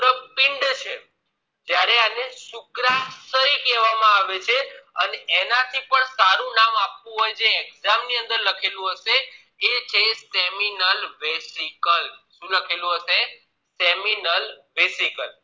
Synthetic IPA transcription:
ɾəpɪɳɖt͡ʃʰe | d͡ʒjaɾeaneʃʊkɾasəɾikɛʋamãaʋet͡ʃʰeəneʔenat̪ʰipəɳsaɾũnamapʋũɦɔjd͡ʒeːɡzamniə̃nd̪əɾləkʰelũɦəʃe | et͡ʃʰeseminəlbesikəlʃũləkʰelũɦəse | seminəlbesikəl

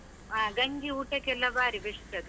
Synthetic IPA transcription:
aːɡɐŋɡiuːʈɐkɛlːɐbaːɾibeʂʈɐd̪u

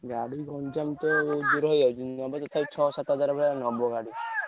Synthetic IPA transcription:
ɡaɽiɡɔnd͡ʒamt̪ɔd͡ʒuɾɦɔjad͡ʒunɔbɔt̪ɔt̪ʰapit͡ʃʰɔsat̪ɔɦɔd͡ʒaɾɔbʱɛɭɛnɔbɔɡaɽi

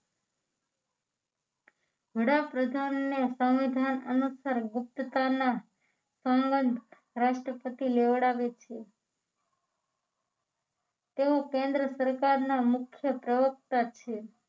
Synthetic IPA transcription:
ʋəɽapɾəd̪ʱanːesə̃w̃ʋid̪ʱanənusəɾɡʊp̚t̪ət̪ana | sə̃mbənd̪ʱ | ɾaʃʈɾəpət̪ileʋəɽaʋet͡ʃʰe | t̪eokẽnd̪ɾəsəɾkaɾnamʊkʰjəpɾəʋək̚t̪at͡ʃʰe

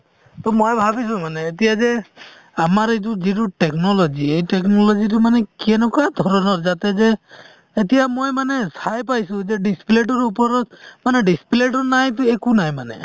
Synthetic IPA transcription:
t̪ɔmojbʱabis̬ũmaneːt̪̬ijaze | amaɾet̬ud͡ʒituʈeknɔlɔd͡ʒiejʈeknɔlɔd͡ʒitumanekɛnɔkad̪ʱɔɾɔnɔɾd͡ʒat̪ezeː | t̪ijamojmanesajpajsũzeɖisi̥pleʈ̬ɔɾupɔɾɔmaneɖisi̥pleʈ̬ɔnajt̪̬uekunajmanḛ

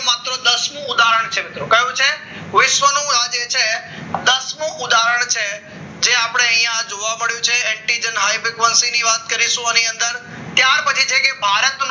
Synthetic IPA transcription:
mat̪ɾəd̪əsmũʊd̪aɾəɳ̃t͡ʃʰemɪt̪ɾokəjũt͡ʃʰe | ʋɪʃʋənũad͡ʒet͡ʃʰed̪əsmũʔʊd̪aɾəɳ̃t͡ʃʰe | d͡ʒeapɽ̃eə̃ĩjãd͡ʒoʋaməɭjũt͡ʃʰeɛɳʈid͡ʒənɦajpɪkʋənsiniʋat̪kəɾiʃũəniə̃nd̪əɾ | t̪jaɾpət͡ʃʰit͡ʃʰekebʱaɾət̪n

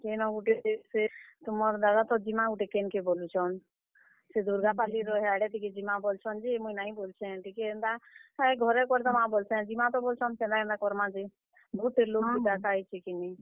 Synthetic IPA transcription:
kenɔ̃ɡuʈeeset̪ʊmɔɾd̪ad̪at̪ɔd͡ʒimãɡuʈekenkebolut͡ʃʰɔn | sed̪uɾɡapaliɾɔɦɛaɽɛʈiked͡ʒimãbolt͡ʃʰɔnd͡ʒimuĩnaːĩbolt͡ʃʰɛ̃ʈikɛnd̪aaɡʱɔɾɛkɔɾd̪ɔmãbolsɛ̃d͡ʒimãt̪ɔbolt͡ʃʰɔnsɛ̃nd̪akɛ̃nd̪akɔɾmãd͡ʒi | bɔut̪̚ːelokid̪akait͡ʃʰikini

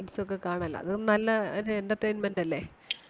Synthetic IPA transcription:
ʈisok̬ːekaːɳɐɐlːɐ̰ɐ̰ðɨnɐlːɐɾendɐt̪reːnmendɐlːe

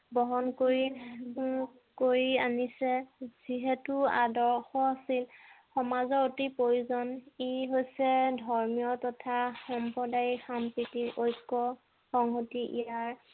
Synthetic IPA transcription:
bɔɦɔnkoɹi | koɹianisɛz̥iɦɛtua̰dɔɹxɔasilxɔmazɔɹotipɹojuzɔniɦojsɛdʱɔɹmijɔtɔtʰaxɔmpɹɔdajixampɹitiʔojkːɔ | xɔŋɦotiʔḭjaɹ

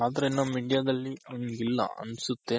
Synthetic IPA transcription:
aːd̪ɐɾenːɐːiːɖijaːd̪ɐlːiʔɐʋniɡilːɐ̰ʔɐ̰nsut̪ːe

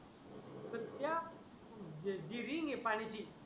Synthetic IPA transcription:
sət̪ja | diɾiŋepanit͡ʃi

